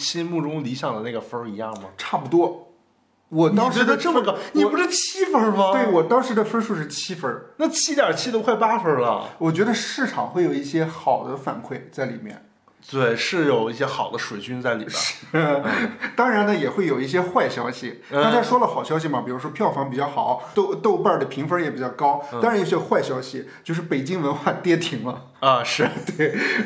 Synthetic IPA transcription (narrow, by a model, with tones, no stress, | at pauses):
t͡ɕʰi˥mu˥˩ʈ͡ʂʊ˥ŋli˧˥ɕjɑ˨˩ŋd̪ə˦na˥˩ɡə˩fə˥i˧˥jɑ˥˩ŋmɐ˩ʈ͡ʂʰa˥˩pu˧˩t̪wɔ˥ | wɔ˨˩nɑ˥ŋʂɛ˧˥d̪ə˧ʈ͡ʂə˥˩mə˨˩kɑ˥˧ni˨˩pu˧˥ʂɻ̩˥˩t͡ɕʰi˥fə˧˥mɐt̪we˥˩ɪwɔ˨˩t̪ɑ˥ŋʂɻ̩˧˥d̪ə˨fə˥ʂu˥˧ʂɻ̩˥˩t͡ɕʰi˥fə˧˥na˥˩t͡ɕʰi˥t̪jɐ˨˩t͡ɕʰi˥t̪o˥ʊxwɪpa˥fə˧˥lə̰˨wɔ˨˩t͡ɕɥɛ˧˥d̪ə˧ʂɻ̩˥˩ʈ͡ʂʰɑ̰˨˩ŋxwe˥˩ɪjo˨˩i˥˩ɕjɛ˥xɑ˨˩ʊd̪ə˦fa̰˨˩nkʰwe˥˩ɪt͡sa˥˩ɪlḭ˨˩mjɛ̰˥˧˩n | t̪we˥˩ɪʂɻ̩˥˩jo˨˩ʊi˥˩ɕjɛ˥xɑ˨˩ʊd̪ə˦ʂwe˨˩ɪt͡ɕy˥nt͡sa˥˩ɪlḭ˨˩˥ʂɻ̩˥˩ | t̪ɑ˥ŋɻa˧˥nnə˧jɛ˨˩xwe˥˩ɪjo˨˩ʊi˥˩ɕ̬jɛ˥xwa˥˩ɪɕjɑ˥ʊɕi˨˥˧ | t͡ɕja˥ʂwɔ˥lə˨xɑ˨˩ʊɕjɑ˥ʊɕ̬i˨mɐ˨˩pi˨˩ɻu˧˥ʂwɔ˥pʰjɑ˥˩ʊfɑ˧˥ŋpi˨˩t͡ɕjɑ˥˩xɑ˨˩˦ʊt̪o˥˧ʊt̪o˥˧ʊpa˥˩d̪ə˩pʰi˧˥ŋfə˧˥jɛ˨˩pi˨˩t͡ɕjɑ˥˩ʊkɑ˥ʊt̪ŋɻa˧˥njo˥˩˥xwa˥˩ɪɕjɑ˥ʊɕi˨t͡ɕjo˥˧ʊʂ̬ɻ̩˥˩pe˨˩ɪt͡ɕi˥ŋwə˧˥nxwa˥˩t̪jɛ˥t̪ʰi˧˥ŋlə˧ | ɐ˧ʂɻ̩˥˧t̪we˥˩ɪ